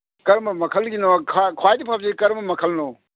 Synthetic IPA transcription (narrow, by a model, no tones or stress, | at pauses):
kɐɾmɐmɐkʰɐlɡinɔkʰakʰwajdipʰab̚zekɐɾmɐmɐkʰɐlnɔ